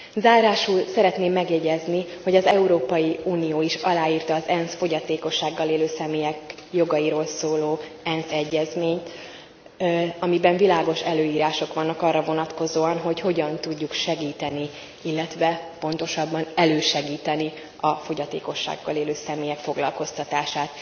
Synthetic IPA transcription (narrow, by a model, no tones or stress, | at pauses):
zaːɾaːʃulsɛɾɛt̪neːmːɛɡjɛɟɛzniho̞ɟɒzɛuɾoːpɒjiuːnijoːiʃɒlaːiːrt̪ɒːzɛnsfo̞ɟɒt̪eːko̞ʃːaːɡːɒleːløːsɛmeːjɛk | jo̞ɡɒjiɾoːlsoːloː | ɛnsɛɟːɛzmeːɲt̪ | ɒmibɛɱvilaːɡo̞ʃɛløːiːɾaːʃo̞kʋɒnːɒkɒrːɒvo̞nɒt̪ko̞zoːɒnɦo̞cho̞ɟɒnt̪uɟːukʃɛɡiːt̪ɛni | ilːɛt̪ʋɛpo̞nt̪o̞ʃɒbːɒnɛløːʃɛɡiːt̪ɛni | ɒfo̞ɟɒt̪ḛːko̞ʃːa̰ɡːɒleːløːsɛmeːjɛkfo̞ɡlɒ̰lko̞st̪ɒt̪aːʃaːt̪